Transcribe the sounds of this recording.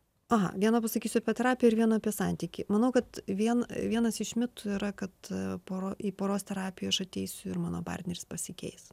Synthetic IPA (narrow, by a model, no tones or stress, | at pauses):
ɐɦɐ̰ʋʲiɛnoːpɐsɐkʲiːsʲʊɐpʲiɛt̪ʲɛɾɑːpʲɪjɛɪɾʋʲiɛnoːɐpʲiɛsɑnʲt̪ʲiːkʲɪmɐnɐʊkɐt̪ʋʲiɛnʋʲiɛnɐsɪʃʲmʲɪt̪uiːɾɐkɐt̪poːɾoːipoːɾoːst̪ʲɛɾɑːpʲɪjoːɐʃɐt̪ʲɛɪsʲʊɪɾmɑːno̰ːpɑ̰ːrʲt̪ʲnʲɛɾʲɪspɐsʲɪkʲɛ̰ɪs